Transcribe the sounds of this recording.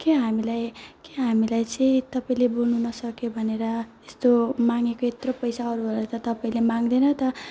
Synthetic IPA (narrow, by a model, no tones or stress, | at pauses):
keɦamilajkeɦamilajt͡sʌĩt̪ʌpaĩlebolnunʌsʌkjobʱʌneɾʌest̪omaŋekoet̪ropʌjsaʌɾuɦʌlʌt̪ʌt̪ʌpaĩlemaŋd̪enʌt̪ʌ